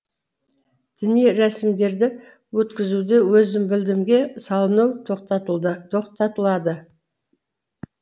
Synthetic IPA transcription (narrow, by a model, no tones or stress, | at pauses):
d̪̥ɪnijɾæsɪmd̪e̞ɾd̪ɪ | wɵt̪kʲɪzud̪ewɵzɪmbɪld̪ɪmɡʲe̞sɑlˠənɑwt̪ʰoqt̪ɑt̪ʰo̞qt̪ɑt̪əlˠɑd̪ə